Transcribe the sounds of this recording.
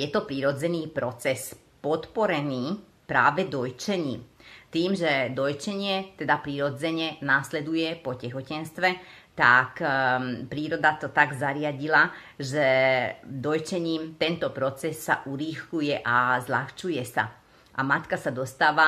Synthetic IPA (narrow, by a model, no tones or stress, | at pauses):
jɛt̪ɔpɾiːɾɔd͡zɛniːpɾɔt͡sɛs | pɔt̪pɔɾɛniː | pɾaːʋɛd̪ɔjt͡ʃɛɲiːmt̪iːmʒɛd̪ɔjt͡ʃɛɲɪɛt̪ɛd̪apɾiːɾɔd͡zɛɲɛnaːslɛd̪ujɛpɔcɛxɔcɛnst̪ʋɛ | t̪ak | pɾiːɾɔd̪at̪ɔt̪aɡzaɾɪaɟila | ʒɛ | d̪ɔjt͡ʃɛɲiːmt̪ɛnt̪ɔpɾɔt͡sɛsːa̰ʔuɾixlujɛʔazlaxt͡ʃujɛsa̰ | ʔa̰mat̪kasad̪ɔst̪aːʋa